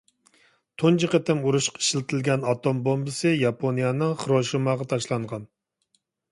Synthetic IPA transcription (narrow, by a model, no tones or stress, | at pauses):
t̪ʰont͡ʃʰiqət̪ɪmuɾuʃqʰi̥ʃlɪt̪ʰɪlɡʲɛnɑt̪ʰombombɨsɨjɑpʰonijɑnɨŋχɾoʃumɑːʁɑt̪ʰɑʃlˠɑɴʁɑn